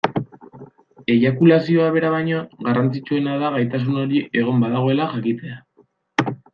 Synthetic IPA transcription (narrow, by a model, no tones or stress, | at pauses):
e̞jakulasio̞aβ̞e̞ɾaβajɲoɣarant͡sit͡sue̞naðaɣajt̪as̬uno̞ɾiʔe̞ɣ̞o̞mbaðaɣ̞o̞e̞laʝakit͡s̪e̞a